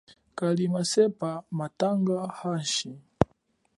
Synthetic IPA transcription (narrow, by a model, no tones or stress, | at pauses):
kalimasɛpamataŋɡahaʃi